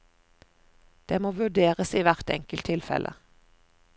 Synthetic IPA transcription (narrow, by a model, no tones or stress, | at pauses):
d̪̥eːmoːʋʉd̪eːʁəsiːʋæʁt̪ɛ̰ŋkəlt̪ʰɪlfɛ̰lʔə̰